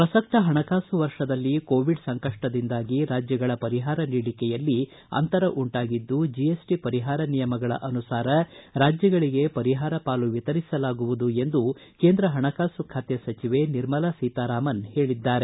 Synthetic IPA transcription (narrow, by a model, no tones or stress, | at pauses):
pɾɐsɐk̚t̪ɐɦɐɳɐkaːsuʋɐɾʂɐd̪ɐlːiko̞ːʋiɖsɐŋkɐʂʈɐd̪ind̪aːɡiɾaːd͡ʒjɐɡɐɭɐpɐɾiɦaːɾɐniːɽikɛjɐlːi | ɐ̰nt̪ɐɾɐʔuɳʈaːɡid̪ːud͡ʒiesʈipɐɾiɦaːɾɐnijɐmɐɡɐɭɐ̰ʔɐnusaːɾɐɾaːd͡ʒjɐɡɐɭiɡe̞pɐɾiɦaːɾɐpaːluʋit̪ɐɾisɐlaːɡuʋud̪ue̞nd̪uke̞ːnd̪ɾɐɦɐɳɐkaːsukʰat̪jɐsɐt͡ʃiʋe̞niɾmɐlɐsiːt̪aːɾaːmɐnhe̞ːɭid̪ːaːɾe